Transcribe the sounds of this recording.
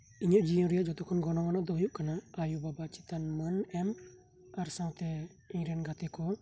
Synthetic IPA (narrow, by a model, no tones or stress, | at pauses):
iɲɔʔd͡ʒijɔ̃ɾijaʔd͡ʒɔt̪ɔkʰɔnɡɔnɔmanɔʔd̪ɔɦujuʔkanaːjubabat͡ʃit̪anmənɛm | aɾsãwt̪ɛ | ɛɲɾɛnɡat̪ɛkɔ